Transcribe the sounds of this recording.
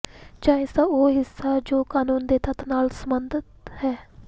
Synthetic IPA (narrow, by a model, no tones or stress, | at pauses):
t͡ʃaːɪsaoːɦɪsːaːd͡ʒoːkaːnuːnd̪eːt̪ət̪naːlsəmənd̪ət̪hɛː